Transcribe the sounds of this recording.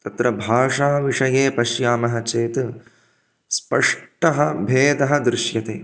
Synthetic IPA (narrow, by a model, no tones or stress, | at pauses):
t̪ɐt̪ɾɐbʱaːʂaːʋiʂɐjeːpɐʃjaːmɐɦɐt͡ʃeːt̪ | spɐʂʈɐɦɐ̆bʱeːd̪ɐɦɐd̪ɾɪʃjɐt̪ḛː